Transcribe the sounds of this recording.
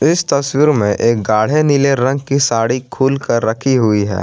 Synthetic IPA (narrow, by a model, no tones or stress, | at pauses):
ɪst̪ɐswiːɾmẽʔeːk̚ɡaːɽ̤enileɾɐ̃ŋɡ̚kisaːɽikʰuːlkəɾːɐkʰiɦʊiɦɛ̰ː